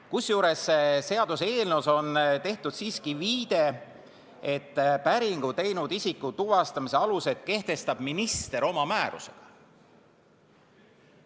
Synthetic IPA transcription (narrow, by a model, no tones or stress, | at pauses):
kusjuːɾe̞sːese̞ɑd̪̥use̞ːlnuso̞nt̪e̞ht̪ud̪̥siːskiviːd̪̥e̞ | e̞t̪ːpæɾiŋɡ̥ut̪e̞jnud̪isikːut̪uvɑst̪ɑmise̞ɑluse̞t̪̚ˑke̞ht̪e̞st̪ɑb̥minist̪e̞ɾo̞mɑmæːɾṵse̞̥ɡ̥ɑ̥